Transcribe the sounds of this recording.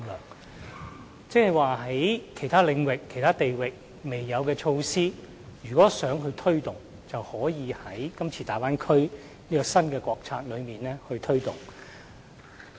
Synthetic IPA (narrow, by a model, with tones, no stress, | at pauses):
lœ̰ː˨˩ŋ | t͡sɪ˥hɐ˨˩jwaː˨˩ɦɐ˨˥jkʰe˨˩jt̪ʰaː˥lɪ˨˧ŋwɪ˨kʰːjt̪ʰaː˥t̪e˨jwɪ˨k̚ | me˨jːɐ˨˧wkɛː˧t͡ʃʰo˧wsiː˥ | jyː˨˩kɔː˨˥sœː˨˥ŋɦɵ˧ɥt̪ʰɵ˥ɥt̪ʊ˨ŋ | t͡sɐ˨whɔː˨˥jiː˨˧hɐ˨˥jkɐ˥mt͡sʰiː˧t̪aː˨jpaː˥nkʰɵ˥ɥ | niː˥kɔː˧sɐ˥nkɛː˧kʷɔː˧k̚t͡sʰa̰ː˧k̚lɵ˨˧ɥmiː˨nlɛː˥hɵ˧ɥt̪ʰɵ˥ɥt̪ʊ˨˩ŋ